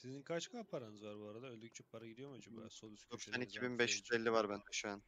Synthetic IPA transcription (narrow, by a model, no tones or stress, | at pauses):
sizinkʰat͡ʃkʰɯapʰaɾanɯzvaɾbuaɾad̪aølʲd̪yc̚ʲt͡ʃʰɛpʰaɾaɟid̪ijo̞mad͡ʒaba̰ːsolˠsosɛnicʰibinbɛʃjyzelʲːivaɾbænd̪ɛʃujan